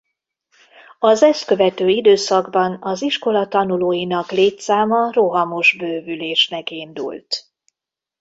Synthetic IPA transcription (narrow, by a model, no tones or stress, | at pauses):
ɒzɛst̪kø̞vɛt̪øːid̪øːsɒɡbɒnɒziʃko̞lɒt̪ɒnuloːjinɒkleːt̪saːmɒro̞ɦɒmoʒbøːvyleːʃnɛkind̪ṵlt̪